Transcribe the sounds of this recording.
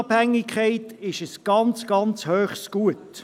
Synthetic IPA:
b̥hæŋːikʰχɛɪtɪʃəsɡ̥ɑnt͡sɡ̥ɑnt͡shøːχsɡ̥uət

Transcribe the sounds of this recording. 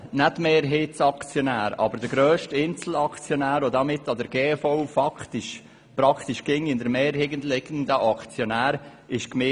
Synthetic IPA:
nɛtmeːɾɦiːtsɑkt͡sjonæːɾɑ̰bəɾd̥əɡɾøːʃtɪnt͡sl̩ɑkt͡sjonæːɾodɑmɪtːɑdəɾɡeːfɔwfɑkt̪ɪʃ | pɾɑkʰt̪iʃɡ̥ɪŋɪndəɾmeːɾɦɪɡəntlɪɡənd̪əʔɑkt͡sjonæːɾ | ɪʃkmɪ

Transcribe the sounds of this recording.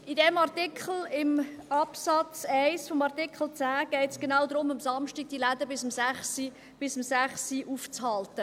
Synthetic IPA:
idɛmɑʁtɪkχl̩ɪm | ɑpsɑt͡sæɪsfɔmɑʁtɪkχl̩ˠt͡sæːɡ̥ɛɪtsɡ̥enawd̪ɾʊməmsɑmʃtiɡ̚d̥ilædəbɪsəmzæχsi | b̥ɪsəmsæχsiʔuft͡shɑltə

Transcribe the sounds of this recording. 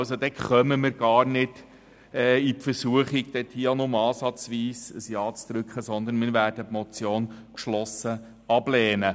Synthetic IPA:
lsod̪ɛkχœməmɪːɾɡ̥ɑːɾnɪd̥ | ɛːipfəɾsuəχiɡd̥̪ɛt̪hiːonʊmɑːsɑt͡sʋiːsəsjɑːt͡sd̪̥ɾʏkʰχəsɔnd̪ənmɪːɾvæːɾd̥əpmɔt͡sjoːnkʃlɔsə | ɑblɛːnə

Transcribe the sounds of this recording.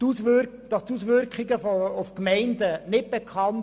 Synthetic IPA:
usʋø | d̥ɑstusʋʏɾkχɪɡəfufkmɛɪndənɪt̚b̥ekʰχɑn

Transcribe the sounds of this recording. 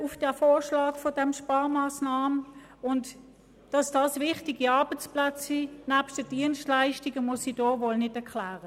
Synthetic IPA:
ʊfd̥ɛɐfoːʃlɑːkfɔdɛmʃpɑːɐmaːsnɑːmə | ʊnt | d̥ɑsd̥ɑsvɪχtiɡiɑɐb̥ət͡splat͡sinæːpʃtd̥əd̥iənstlaɪʃtɪɡəmʊsid̥ɔːvolnɪdɛɐkʰlæːʁə

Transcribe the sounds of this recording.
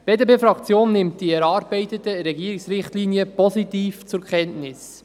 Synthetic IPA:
b̥eːdebeːfɾɑkt͡sjoːnːɪmtd̥iɛɾɑːɾbɛɪt̪ətəɾɛɡiːɾɪksɾɪχtliːniəpɔsitiːft͡sʊɾkʰɛntnɪs

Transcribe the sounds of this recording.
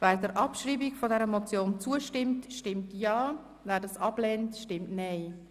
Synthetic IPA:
vɛːɾdəɾʔɑpʃriːbikfɔdɛɾəmɔt͡sjoːnt͡suəʃtɪmtʃtɪmtjɑː | væːɾdɑsɑblɛntʃtɪmtnɛɪ

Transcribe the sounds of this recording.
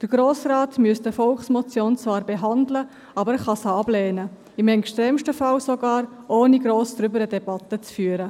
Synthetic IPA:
d̥əɾɡ̥ɾoːsraːtmyəstəfɔlχsmɔt͡sjoːnt͡svɑːɾbeɦɑndlə | ɑːbəɾχɑsəɑblɛːnə | ɪmɛŋkʃtɾɛːmʃtəfɑlsoɡɑːɾ | ʔoːniɡɾoːsd̥ɾʏbəɾədɛbɑtət͡sfyːəɾə

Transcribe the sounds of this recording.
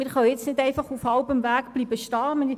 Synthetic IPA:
mɪɾχœwjɪt͡snɪdɛɪfɑχufhɑlbəmvæːɡb̥liːbəʃtɑːmən

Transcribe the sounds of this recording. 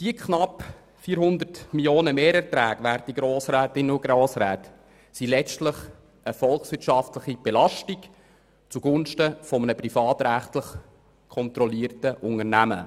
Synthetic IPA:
d̥iəkʰχnɑp | fiːɾɦʊnd̪ərtmiljoːnəmeːɾɛɾt̪ɾæːɡʋæːɾt̪iɡ̥ɾoːsɾæːtɪnʊɡ̥ɾoːsɾæːt | silɛstləχ | əfɔlχsʋɪtʃɑftləχib̥ɛlɑʃtik | t͡suɡ̥ʊnʃtəfɔmənəprifɑːt̪ɾæχtləχ | kʰɔnt̪ɾɔliːrtəʔʊŋərnæmə̰

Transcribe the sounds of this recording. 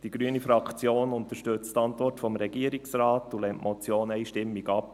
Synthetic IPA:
d̥iɡɾyənifɾɑkt͡sjoːnʊntəʃtʏt͡stɑntɔrtfɔmɾɛɡiəɾiksrɑːtulɛmtmʔɔt͡sjoːnɛɪʃtɪmːiɡɑp

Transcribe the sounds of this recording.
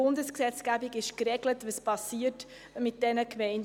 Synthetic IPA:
ʊndəsksɛt͡sɡ̥æbiɡɪʃkɾɛɡlətʋəspʰɑsːiːət | mɪt̚d̥ɛnəkmɛɪn

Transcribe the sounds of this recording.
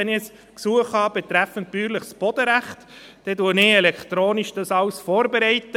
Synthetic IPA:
ɛnɪs | ksuəχhɑːb̥ɛt̪ɾæfənt̚b̥yːɾləχsb̥ɔd̥̪əɾæχt | d̥ɛduənɪɛlɛkχtɾoːniʃd̥ɑsɑwsfɔːɾbeɾɛɪtːə

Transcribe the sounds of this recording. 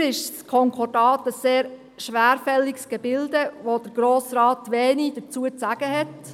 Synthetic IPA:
ɾɪʃskʰɔŋkʰɔdɑːtəsːeːɾ | ʃʋæːɾfɛlːiksɡ̥ebɪldəʋod̥əɾɡ̥ɾoːsrɑːt̪ʋɛːnid̥əɾt͡suət͡sæɡ̥əɦɛt

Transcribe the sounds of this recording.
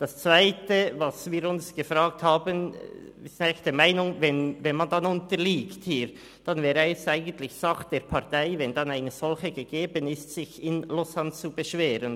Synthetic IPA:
d̥ɑst͡svaɪtəvɑsviːɾʊnsɡ̥əfʁaːk̚thaːbən | sɪnaɪlçd̥ɛmaɪnʊŋvɛnvɛnmɑndɑnʊntəliːkthiːɾ | d̥ɑnvɛːɾəɛstaɪɡən̩tlɪçsɑχd̥eːɾpʰɑʁtaɪvɛndɑnaɪnəz̥ɔlçəɡəɡeːbənɪstsɪçɪnlʊsant͡subəʃveːɾən

